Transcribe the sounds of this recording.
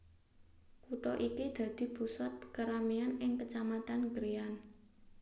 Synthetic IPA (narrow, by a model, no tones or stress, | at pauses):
kuʈɔʔikid̪̥ä̤d̪̥i̤pusat̪̚kəɾamianɪŋpət͡ʃamat̪anɡɾian